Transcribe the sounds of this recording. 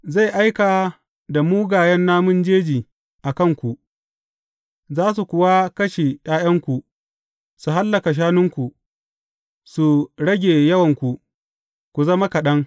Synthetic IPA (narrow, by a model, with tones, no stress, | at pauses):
za˦˨jʔa˦jka˨ | da˨muː˦ɡaː˨jɐ˦nːaː˦mʊ˦nd͡ʒeː˦d͡ʒiː˨ | ʔa˨kɐ˦˨ŋkʷu˨ʔ | zaː˦s̬u˨kʷʊ˨wa˦kɐ˦ʃeː˨j̰aː˦j̰ɐ˦ŋkʷu˨ | su˨ɦa˦lːɐ˨ka˨ʃ̬aː˦nʊ˦ŋkʷu˨ʔ | su˨ɽɐ˦ɡʲeː˨jɐ˦wɐ˨ŋkʷu˨ | kʷu˨zɐ˦ma˦kɐ˨ɗɐ˦ŋ